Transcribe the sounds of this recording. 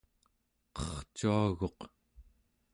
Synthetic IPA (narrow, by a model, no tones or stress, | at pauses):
qʌχt͡ʃuaɣo̞q